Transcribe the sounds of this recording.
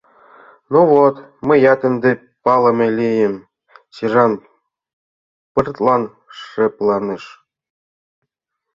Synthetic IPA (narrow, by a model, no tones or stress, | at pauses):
nuvot̪mɘ̆jɑt̪ɘ̆nd̪ĕ | pɑlˠɤ̆mʲelʲijɘ̆m | ɕiʐɑn | pɨrt̪lˠɑn | ʂːĕplˠɑnɯʃ